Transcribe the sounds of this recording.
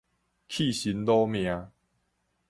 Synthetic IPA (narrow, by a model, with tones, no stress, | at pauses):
kʰi˥˨ɕi˨˦nlɔ˦mj̃ã˨˦